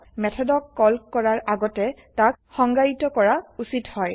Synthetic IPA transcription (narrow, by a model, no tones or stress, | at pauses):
mɛtʰɔdɔkːɔlkɔɹaɹaɡɔtɛ | takxɔŋɡaɹitɔkɔɹausithɔj